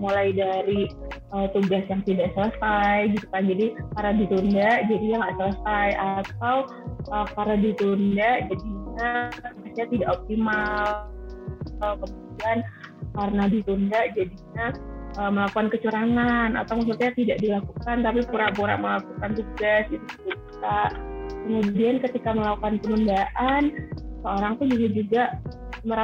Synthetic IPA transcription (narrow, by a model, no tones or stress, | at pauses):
mulajdaɾi | ʔət̪uɡasjaŋt̪idaʔsələsajɡit̪u̥kad͡ʒadikaɾadit̪undaʔd͡ʒadijaŋɡaʔsələsajʔat̪̚aw | əkaɾadit̪undaʔd͡ʒadiɲamasɲat̪idaʔop̚t̪imal | at̪awkəmudiankarnadit̪undaʔd͡ʒadiɲaəməlakukankət͡ʃuɾaŋanʔa̰t̪awmas̬at̪ɲat̪idaʔdilakukant̪apipuɾaʔpuɾa̰ʔməlakukant̪uɡasit̪ukə̥pup̚t̪aʔkəmudiankət̪ikaməlakukanpənundaʔansəoɾaŋt̪ud͡ʒuɡad͡ʒuɡaʔ | məɾa